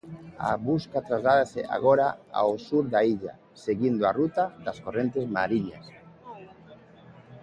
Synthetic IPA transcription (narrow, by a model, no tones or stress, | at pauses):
a̰βuskat̪ɾazlaðaseʔa̰ɣoɾaa̰osuɾðaiʎa̰ | seɣind̪oarut̪aðaskorent̪ezmaɾiɲa̰s